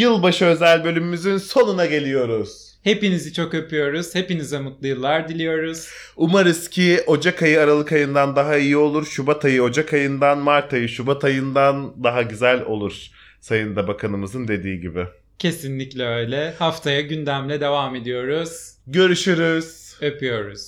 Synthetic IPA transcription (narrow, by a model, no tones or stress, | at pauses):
jɯlˠbaʃɯø̞zælʲbø̞lʲymymyzynso̞nunaɟe̞lʲijo̞ɾuz̥ | he̞pinizit͡ʃʰo̞køpʰyjo̞ɾuz̥he̞pinizɛmɯt̪lˠɯjɯlˠːaɾd̪ilʲijo̞ɾuz̥ | umaɾɯscʰio̞d͡ʒakʰajɯaɾalˠɯkajɯnd̪and̪aɦaijio̞lˠuɾʃubat̪ʰajɯo̞d͡ʒakʰajɯnd̪anmaɾt̪ʰajɯʃubat̪ʰajɯnd̪and̪aɦaɟyzælʲo̞̰lˠuɾ̥ | sajɯnd̪abakʰanɯmɯzɯnd̪e̞d̪iːɟibɪ | cʰe̞sinlʲiclʲɛø̞jlʲɛhaft̪ʰajaɟynd̪æmlʲɛd̪e̞vame̞d̪ijo̞ɾuz̥ɟø̞ɾyʃyɾyz̥ø̞pyjo̞ɾuz̥